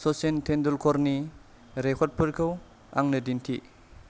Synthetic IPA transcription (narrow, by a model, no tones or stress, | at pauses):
sɔsentʰendulkʰɔɾni | ɾekʰɔt̚pʰɯɾkʰɯw | a̰ŋnɐdintʰḭ